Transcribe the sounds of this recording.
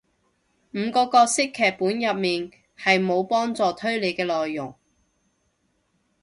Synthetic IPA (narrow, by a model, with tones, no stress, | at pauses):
m̩ː˨˧kɔː˧kɔː˧k̚sɪ˥kʰːɛː˨k̚pːuː˨˥njɐ˨p̚miː˨˩n | hɐ˨jmo˨˧wpɔː˥ŋt͡sɔː˨t̪ʰɵ˥ɥle˨˧jkɛː˧lɔː˨jːʊ˨˩ŋ